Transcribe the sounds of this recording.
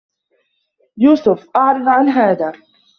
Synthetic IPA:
juːsʊfʔaʕɾɪd̪ʕanɦaːðaː

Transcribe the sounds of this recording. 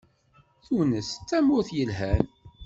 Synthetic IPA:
θunəst͡sːæmʊɾθjəlɦæn

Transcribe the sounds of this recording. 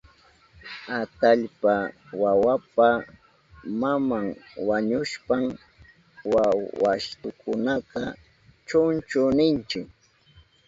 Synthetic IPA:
at̪aʎpa | wawapa | mamaŋwaɲʊʃpam | wawaʃt̪ʊkʊnaqɑ | t͡ʃʊnt͡ʃʊnɪnt͡ʃɪk

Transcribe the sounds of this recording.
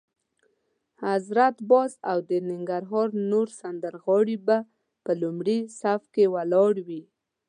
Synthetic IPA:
hazɾat̪bɑsawd̪ənɪŋɡaɾɦɑɾnoɾsand̪əɾɣɑɽiba | pəlumɽisafkewalɑɽwi

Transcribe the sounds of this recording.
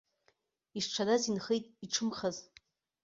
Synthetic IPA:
iʂʈ͡ʂʷʰadazinχejtʼiʈ͡ʂʰɨmχaz

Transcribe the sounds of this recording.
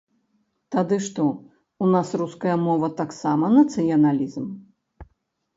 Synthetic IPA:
t̪ad̪ɨʂt̪ɔ | unasɾuskɐjɐmɔvɐt̪aksamɐnɐt̪sɨjɐnalʲizm

